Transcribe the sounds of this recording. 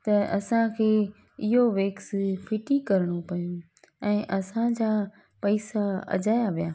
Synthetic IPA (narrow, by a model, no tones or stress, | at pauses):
t̪ɐɐsãkʰeː | ɪɦoʋeːksfʰɪʈikɐɾɪɽ̃opɐjũ | ɛ̃ːʔɐsãd͡ʑaː | pɐɪsaɐ̰d͡ʑaːjaʋijaː